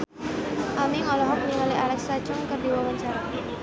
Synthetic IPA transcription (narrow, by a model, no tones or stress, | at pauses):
ʔamiŋɔlɔɦɔk̚niŋalialɛksat͡ʃʊŋkərdiwawaɲt͡ʃaɾa